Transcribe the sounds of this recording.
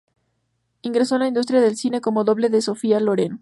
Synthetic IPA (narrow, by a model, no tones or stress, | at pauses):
iŋɡɾe̞solaind̪us̬t̪ɾjaðe̞lsine̞ko̞moðo̞βle̞ðe̞so̞fialoɾen